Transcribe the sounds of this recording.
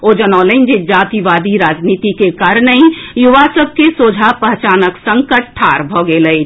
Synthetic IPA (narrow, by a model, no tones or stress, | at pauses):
od͡ʒənaʊlənd͡ʒed͡ʒat̪iʋad̪iɾad͡ʒnit̪ikekaɾənəĩjuʋasəb̚ʱkesod͡ʒʱapəɦt͡ʃaːnəksəŋkəʈ̚ʈʰːaɾbʱɔɡeləi